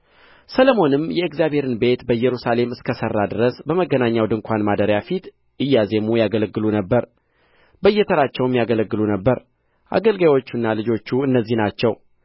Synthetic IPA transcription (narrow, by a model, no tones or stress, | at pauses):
sələmo̞nɨmjɛɨkzjabhe̞ɾɨnbe̞t̪bəjɛɾusale̞mɨskʰəsərːad̪ɨɾəsbəməɡːənaɲːawd̪ɨŋkʷʰanmad̪əɾjafit̪ | ʔɨjːaze̞mujaɡələɡːɨlunəbːəɾ | bəɨjːɛt̪ʰəɾat͡ʃːɛwmjaɡələɡːɨlunəbːəɾ | ʔa̰ɡəlɡajwo̞t͡ʃːunːalɨd͡ʒo̞t͡ʃːuɨnːəzːihnat͡ʃːɛw